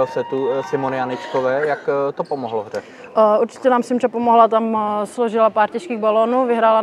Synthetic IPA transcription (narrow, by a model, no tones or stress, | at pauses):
sɛt̪usɪmonɪjanɪt͡ʃkovɛːjakt̪opomoɦloɦrɛ | ʔuɾt͡ʃɪ̥cɛnaːmsɪmrɛpomoɦlat̪amsloʒɪlapaːɾcɛʃkiːɣbaloːnuvɪɦɾaːla